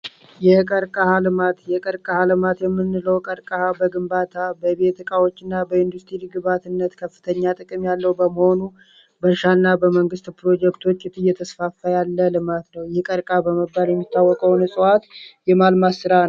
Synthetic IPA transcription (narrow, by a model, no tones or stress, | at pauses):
jɛkʼəɾkʼahalɨmat̪jɛkʼəɾkʼahalɨmat̪jɛmːɨnːɨləwkʼəɾkʼahabəɡɨmbat̪ʰabəβe̞t̪ʰɨkʼawo̞t͡ʃːɨnːabəɪnd̪ust̪ʰɾilɨɡɨβat̪ɨnːət̪kʰəfːɨ̥t̪ʰəɲːat̪ʼɨkʼɨmjalːəwbəməho̞nu | bəʃanːabəməŋɡɨst̪pɾo̞d͡ʒɛkt̪ʰo̞t͡ʃːɪt̪ʰʼɨjːɛt̪ʰəsfafːajalːəlɨmat̪nəwjɛhkʼəɾkʼabəməbːaljɛmːit̪ʰːawːɔkʼəwnɨsʼɨwat̪jɛmalmasɨɾan